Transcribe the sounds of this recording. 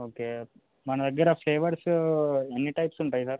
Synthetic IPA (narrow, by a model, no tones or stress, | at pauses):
oːke | mɐnɐdɐɡiɾɐfleːʋɐɾsenːiʈɐjpsuɳʈ̪aːjisaːɾ